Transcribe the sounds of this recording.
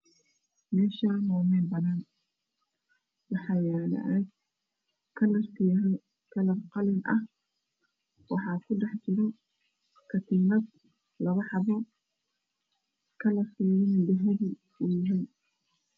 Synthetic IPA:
mɛːʃaːnɔːmɛːnbɐðan | wɑħɑːjɛːlɐ̰ʔɐd | kʰɐl | kʰɐlɐrqɑlɪnʔɐ̰h | wɑħɑːkʰʊɖɛħt͡ʃɪɾɔ | kʰɐt̪ʰiːnɐd̪ | lɐβɐħɑβɔ | kʰɐlɐsiːjɪnɪdɪɦɪði | ʊjɪɦɛj

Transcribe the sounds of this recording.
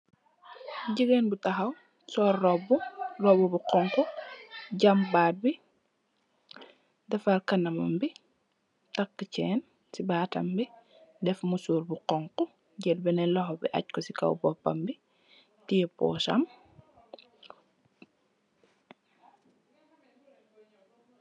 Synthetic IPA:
ɟiɡɛnbutɐxɐw | sɔːɾːɔburɔbubuqɔŋkɔ | ɟɐmbaːt̚bi | dɛfaɾkɐnɐmɐ̰mbi | tɐkːəcɛːn | sibaːtɐ̰mbi | dɛfmusuːɾbuqɔŋkɔ | ɟɛlbɛnɛlɔɦɔbḭʔɐ̰c̚kɔsikɐ̰wbɔpːɐ̰mbi | tiɛpɔ̰ːsɐ̰m

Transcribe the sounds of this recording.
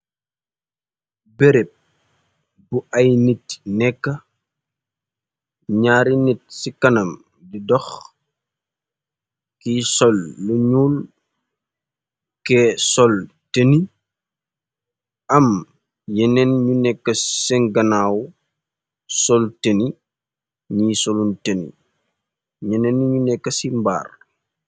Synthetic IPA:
bɛɾɛp̚ | buʔɐjnit̚nɛkːɐ | ɲaːɾinit̚sikɐnɐm | didɔx | kisɔlːuɲuːl | kɛsɔl | teni | ɐm | jɛnɛnɲunɛkːəsɛŋɡɐnaːw | sɔlteni | ɲiːsɔluntenḭ | jɛnɛnɲunɛkːəsimba̰ːr

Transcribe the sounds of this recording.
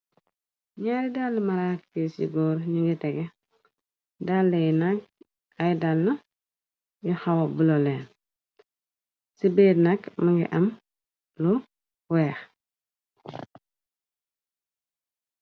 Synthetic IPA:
ɲaːɾidalːmaɾakːesḭɡoːɾɲiŋɡiteɡe | dalːenak̚ | ajidalna | juxawabulolen | sibednakmaŋɡḭʔam | lu | weːx

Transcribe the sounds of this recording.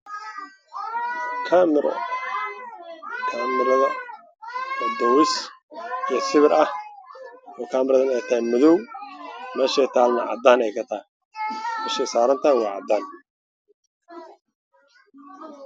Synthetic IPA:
kʰaːmɪɾʔɔ̰ | kʰaːmɪɾɐðɐ | wɐd̪ɔːwɪs | ijɔsɪβɪɾʔɐh | ɔːkʰaːmɪɾɐðɐnɛjt̪ʰɐɛnmʊðɔw | mɛːʃɛːjt̪ʰaːlnɐʕɑ̰d̪aːnɛjkʰɐt̪ʰɐɛ | mɛːʃɛjsaːɾɐnt̪ʰɐwɑːʕɑ̰d̪aːn

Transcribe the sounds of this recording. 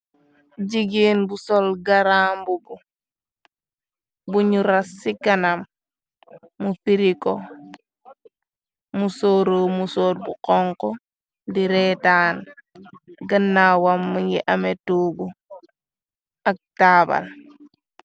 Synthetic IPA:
ɟiɡinbusolɡaɾaːmbubu | buɲuɾasːikanam | ufiɾiko | musoɾoːmusoːt̚buqɔŋkɔ | diɾetaːn | ɡanːawamːuŋɡiʔametoːbu | ak̚taːba̰l

